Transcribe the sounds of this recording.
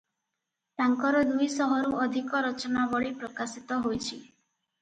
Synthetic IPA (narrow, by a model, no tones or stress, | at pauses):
ʈaŋkɔɾɔd̪ujsɔɦɔɾuʔɔd̪ʱikɔɾɔt͡ʃɔnabɔɭipɾɔkasit̪ɔɦojt͡ʃʰi